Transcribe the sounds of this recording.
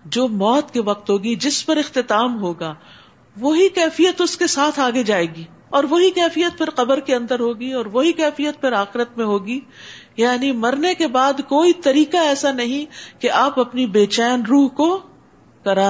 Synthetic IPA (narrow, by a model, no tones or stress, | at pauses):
d͡ʒoːmɔːt̪keʋɐq̚t̪ɦoːɡid͡ʒɪspɐɾɪxt̪ɪt̪aːmɦoːɡaː | ʋoɦikɛːfijət̪ʊskesaːt̪ʰaːɡed͡ʒaːeːɡiː | ɔːɾʋoɦikɛːfijət̪̚pʰɪɾqɐbəɾkeɐ̃nd̪əɾɦoːɡiɔːɾʋoɦikɛːfijət̪̚pʰɪɾaːxɪɾət̪mẽɦoːɡiː | jaːnimɐɾnekebaːd̪koːit̪ɐɾiːkaɛːsanɐɦĩkeʔaːpɐpnibeːt͡ʃɛːnɾuːɦko | kɐɾaː